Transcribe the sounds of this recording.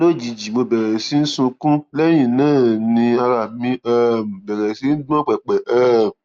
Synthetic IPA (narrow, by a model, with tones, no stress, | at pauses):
lo˦˨d͡ʒi˨d͡ʒi˨mo˧bɛ˨ɾɛ˨si˨˦n̩˦sũ˧kũ˦lɛ˦j̃ĩ˦˨nãː˦˨nĩ˧a˧ɾa˨mĩ˧ɛ˦m̩˨bɛ˨ɾɛ˨si˨˦n̩˦du˦ɔ̃˦k͡pɛ˨k͡pɛ˨ʔɛː˦m̩˨